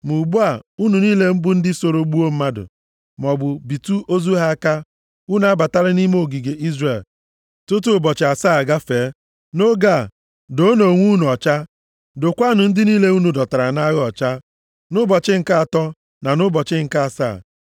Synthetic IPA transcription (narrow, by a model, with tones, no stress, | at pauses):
mu˨ɡ͡bu˦a˨u˦nu˨niː˦le˦m̩˦bʊ˦n̩˦dɪ˦so˨ɾo˨˦ɡ͡bu˦o˦m̩˦ma˦dʊ̰˨ | mɔ˨bʊ˨bi˨tu˦ʔo˦zu˦ɦa˦ka˦ | u˦nu˦a˦ba˨ta˦ɾɪ˦ni˦m˦o˦˨ɡi˨ɡe˨ʔi˦zre˨l | tʊ˦t̬u˦˨bɔ˨t͡ʃɪ˨a˨saː˦˨ɡa˦feː˨˦ | no˦ɡa˦˨ | do˦no˨ŋʷu˦nu˨ɔ˨t͡ʃa˦ | do˨kʷa˦nʊ˨n̩˦dɪ˦niː˦le˦u˦nu˨dɔ˨ta˨ɾa˨na˦ɣɔ˨t͡ʃa˦ | nʊ˦bɔ˨t͡ʃɪ˦ŋ̩˨ka˦a˨tɔ˦ | na˨nʊ˦bɔ˨t͡ʃɪ˦ŋ̩˨ka˦a˨sa̰ː˦˨